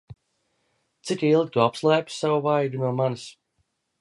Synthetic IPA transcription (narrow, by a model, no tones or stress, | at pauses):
t̪sikilˠɡʲit̪uapslˠajpsavuvajd̪unuɔmanis